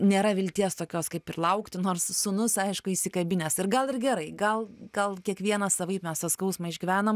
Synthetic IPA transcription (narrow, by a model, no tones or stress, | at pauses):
nʲeːɾɐʋʲɪlʲt̪ʲiɛst̪oːkʲoːskɐɪpɪrlˠɐʊkt̪ʲɪnoːrssʊnʊsɐɪʃkʊiːsʲɪkɐbʲɪnʲeːsɪrɡɐlˠɪrɡʲɛɾɐɪɡɐlˠɡ̥ɐlˠkʲiɛkʋʲiɛnɐsɐʋɐɪpmʲɛst̪ɐskɐʊsmɐɪʒʲɡʲɪʋʲæːnom